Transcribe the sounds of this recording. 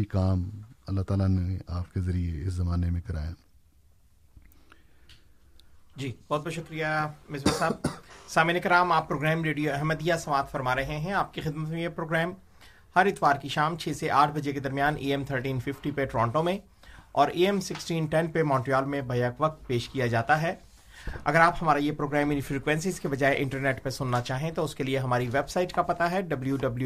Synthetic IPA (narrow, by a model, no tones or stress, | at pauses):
ikaːmɐlːat̪aːlaneaːpkezɐɾieɪszɐmaːnemẽkɐɾa̰ːjaː | d͡ʒiːbɔːt̪bɔːʃʊkɾijamɪsbəɾsaːb̚saːmiːnekɐɾaːmaːpːɾoːɡɾɛːmɾeːɖijoɛɦməd̪ijasɐʋaːt̪fɐɾmaːɾɐɦẽɦɛ̃aːp̚kixɪd̪mət̪mẽjepɾoːɡɾɛːm | hɐɾɪt̪ʋaːɾkiʃaːmt͡ʃʰeːseʔaːʈʰbɐd͡ʒeked̪ɐɾmijaːnʔḛːɛmt̪ʰəɾʈiːnfɪfʈipeʈɾɔ̃ːɳʈõmẽ | ɔːɾeːɛmsɪksʈiːnʈɛnpemɔ̃ːɳʈɾijaːlmẽbʱɐjakʋɐk̚t̪̚peːʃkijad͡ʒaːt̪aɦɛː | ɐ̰ɡəɾaːphɐmaːɾajepɾoːɡɾɛːmɪ̃nfɾiːkʋɛ̃ːnsɪzkebɐd͡ʒaːeʔɪ̃ɳʈəɾneːʈpesʊnːat͡ʃaːɦẽt̪oʊskelieɦɐmaːɾiʋeːbsaːɪʈkapɐt̪aɦɛɖɐbljuɖɐblju